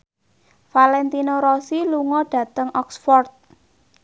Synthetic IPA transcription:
falɛnt̪inoɾɔsiluŋɔɖ̥ä̤t̪əŋʔɔksfɔrt̪̚

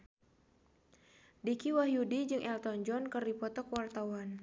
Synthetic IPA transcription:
dikiwaɦjudid͡ʒɨŋʔɛlt̪ɔnd͡ʒɔnkərdipɔt̪ɔkwart̪awan

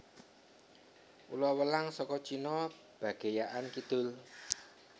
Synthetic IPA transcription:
ṵlɔwəlaŋsɔkɔt͡ʃinɔ | b̥ä̤ɡ̥e̤jaʔankid̪̥ʊ̤l

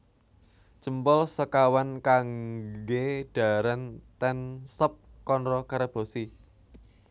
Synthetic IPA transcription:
t͡ʃəmpɔlsəkawankaŋɡeɖ̥a̤ɾant̪ɛnsəp̚kɔnɾɔkaɾəb̥o̤si

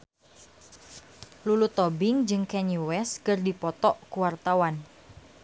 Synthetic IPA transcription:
lulut̪ɔbɪŋd͡ʒɨŋkɛnuwɛskɨrdipɔt̪ɔʔkuwart̪awan

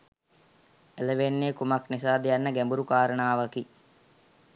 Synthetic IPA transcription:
eləʋenːeːkumaknisaːd̪ijanːəɡæmbuɾukaːɾənaːʋaki

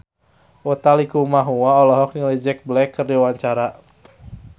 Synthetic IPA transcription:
ʔɔt̪alikumaɦuaɔlɔɦɔk̚nilɛd͡ʒɛk̚blɛkːərdiawaɲt͡ʃaɾa

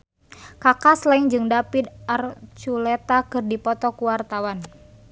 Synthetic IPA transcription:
kakaslaiŋd͡ʒɨŋdapit̪̚art͡ʃulɛt̪akɨrdipɔt̪ɔkuwart̪awan

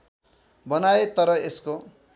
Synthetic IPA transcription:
bʌnaet̪ʌɾʌesko

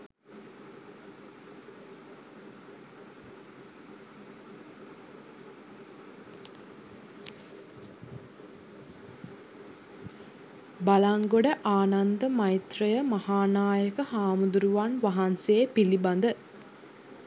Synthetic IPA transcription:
balaŋɡoɖəʔaːnand̪əmajit̪rəjəmahaːnaːjəkəhaːmud̪uɾuʋanʋaɦanseːpiliband̪ə

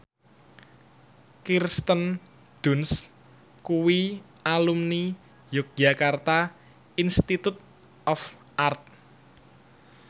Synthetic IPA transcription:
kirst̪ən | d̪̥uns | kuwi | alumni | jɔk̚d͡ʒakart̪a | inst̪it̪ut̪̚ | ʔɔf | ʔart̪̚

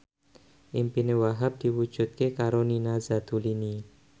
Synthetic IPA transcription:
ʔimpinewaɦap̚d̪̥i̤wud̥ʒ̥ṳt̪̚kekaɾoninazat̪ulini

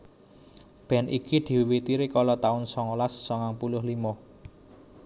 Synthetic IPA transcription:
b̥ɛ̤nʔikid̪̥i̤wit̪iɾikɔlɔt̪aʊnsɔŋɔlasːɔŋaŋpulʊhlimɔ

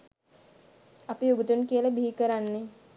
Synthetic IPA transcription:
apiuɡəd̪unkiələbiɦikəɾanːe

